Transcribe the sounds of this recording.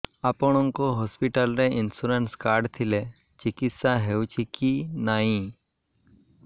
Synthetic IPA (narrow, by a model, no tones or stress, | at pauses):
apɔɽ̃ɔŋkoɦɔspiʈəlɾeinsuɾenskaːɾɖt̪ʰile | t͡ʃikit̪saɦewt͡ʃʰikinaɦĩ